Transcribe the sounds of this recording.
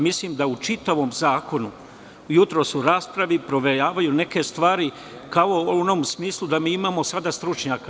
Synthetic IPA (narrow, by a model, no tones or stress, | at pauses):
misliːmd̪aut͡ʃit̪aʋo̞mzaːko̞nu | jut̪ɾo̞suɾaːspɾaʋipɾo̞ʋe̞ɾaːʋajune̞ke̞st̪ʋaːɾi | kaooonomsmiːslˠud̪amiːimaːmo̞sad̪ast̪ɾut͡ʃɲaːka